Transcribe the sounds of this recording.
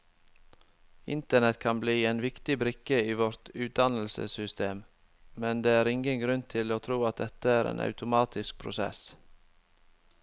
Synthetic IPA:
ɪ̰nt̪əɳɛt̪kʰɑnbliːeːnʋɪkt̪ɪbɾɪkəiːʋɔɾt̪ʉːt̪̚d̪ɑnl̩sə̰sʏst̪ʰeːm | mɛnd̪eːæːɾɪŋɡənɡɾʉnt̪ʰɪloːt̪ʰɾuːɑt̪̚d̪ɛt̪əæːɾḛːnʔɑ̰ʉt̪ʊmɑːt̪ʰɪsk̚pʰɾʊ̰sɛ̰s

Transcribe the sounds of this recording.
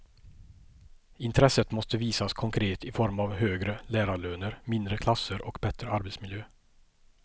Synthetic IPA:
ɪnt̪ʰɾɛsət̪mɔst̪əviːsaskʰɔŋkʰɾeːt̪ɪfɔɾmavɦøːɡɾəlæːɾaɭøːnəɾmɪnd̪ɾəkʰlasəɾʔɔkbɛt̪ɾəaɾbet̪smɪljøː

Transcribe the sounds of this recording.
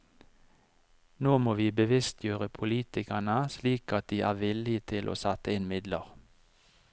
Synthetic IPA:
noːmoːʋiːbəʋɪst̪ʰjøːʁəpʰʊliːt̪ɪkænəsliːkɑt̪̚d̪iːʔæːʋɪlɪt̪ʰɪlʔo̰ːsɑt̪əɪnmɪd̪lə̰ʁ

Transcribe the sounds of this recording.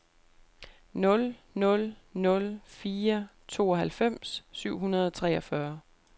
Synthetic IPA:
nɔ̽l | nɔ̽lnɔ̽lfiːɐ | t͡sʰo̝̰ːɒ̽ɦælfem̰sːyʊ̰ɦunɐð̞ˠɒt͡sʰʁɛːɒfɶɐ

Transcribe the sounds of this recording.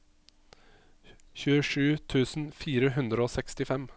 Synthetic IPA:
çʉːəʂʉːt̪ʰʉːsn̩fiːɾəɦʉnd̪ɾəoːsɛkst̪ɪfɛm

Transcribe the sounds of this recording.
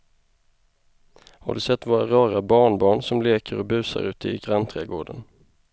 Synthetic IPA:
ha̰ɖɵsɛt̪ːvoːɾaɾɑːɾabɑːɳbɑːɳsɔmleːkʰəɾɔbʉ̟ːsa̰ɾʉ̟ːt̪əɪɡɾant̪ʰɾeːɡoːɖən

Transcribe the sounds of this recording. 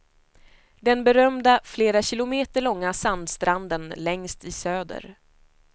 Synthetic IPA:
d̪ɛnbɛɾœmd̪afleːɾaɕɪlʊmeːt̪əɭɔŋːasand̪st̪ɾand̪ənlɛŋst̪ɪsøːd̪ə̰ɾ

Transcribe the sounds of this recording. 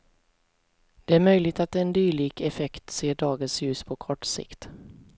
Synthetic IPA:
d̪̥ɛæɾmœjlɪɡ̚t̪at̪ɛnd̪yːɭiːɡɛfɛkt̪seːɖɑːɡənsjʉ̟ːspʰɔkʰɔʈːsɪ̰kt̪

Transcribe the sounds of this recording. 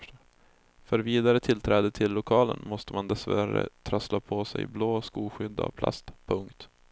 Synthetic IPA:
fœɾviːd̪aɾət̪ʰɪlt̪ʰɾɛːd̪ət̪ʰɪlːʊkʰɑːlə̰nmɔst̪əmand̪ɛsvœɾaɾə̰t̪ʰɾœslapʰɔsɛ̰jbloːskuːɧʏd̪ːa̰vpʰla̰st̪pʰɵŋkt̪

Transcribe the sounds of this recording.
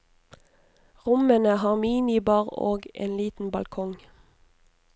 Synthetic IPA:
ʁʊmənəhɑːʁmiːnɪbɑːʁo̰ːɡḛːnliːt̪n̩bɑlkʰɔŋ

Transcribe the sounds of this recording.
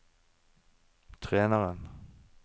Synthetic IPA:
t̪ʰʁeːnəʁən

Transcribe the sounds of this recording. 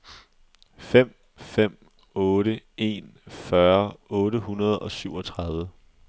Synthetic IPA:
fem̰ | fem̰ | ɔːɾəe̝̰nfɶɐɔ̽ːɾəɦunɐð̞ˠɒ̽syʊ̰ɒ̽t͡sʰʁɑ̈ðˠʋə

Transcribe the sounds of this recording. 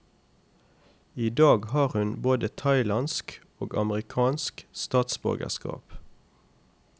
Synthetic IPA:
iːd̪ɑːɡhɑːʁhʉnboːd̪ət̪ʰɑɪlɑnsk | o̰ːɡɑ̰məʁɪkʰɑːnskst̪ɑːt̪sbœ̰ʁɡə̰ʁskɑ̰ːp

